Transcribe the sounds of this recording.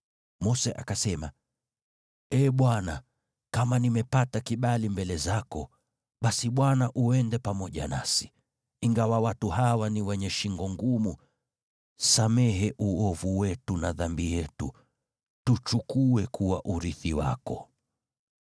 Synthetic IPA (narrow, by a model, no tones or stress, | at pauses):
mɔsɛʔa̰kasɛma | ɛːɓwana | kamanimɛpatakiɓalimbɛlɛzakɔ | ɓasiɓwanaʔuɛndɛpamɔʄa̰nasi̥ | iŋɡawawatuhawaniwɛɲɛʃiŋɡɔŋɡumu | samɛɦɛʔuɔvuwɛtunaðambijɛtu | tut͡ʃukuɛkʰuwaʔuɾiθiwa̰kɔ